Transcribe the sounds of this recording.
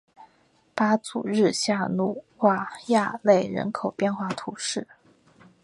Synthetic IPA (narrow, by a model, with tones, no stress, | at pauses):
pa˥t͡su˨˩ɻɻ̩˥˧ɕja˥˧nu˥˩xwa˥˧ja˥˧le˥˩ɪɻə̰˧˥nkʰo˨˩ʊpjɛ˥˧nxwa˥˩t̪ʰu˧˥ʂɻ̩˥˩